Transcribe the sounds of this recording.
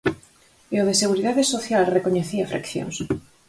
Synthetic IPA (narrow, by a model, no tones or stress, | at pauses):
eoðeseɣ̞uɾiðaðesoθjalrekoɲeθiɐfɾa̰kθjo̰ŋs